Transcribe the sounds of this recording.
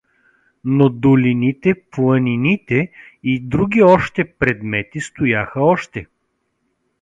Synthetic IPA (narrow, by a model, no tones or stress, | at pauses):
nod̪ʊlʲinit̪ɛplˠəninit̪ɛ | id̪ɾuɡʲiɔʃt̪ɛpɾɛd̪mɛt̪ist̪ʊjaxəɔʃt̪ɛ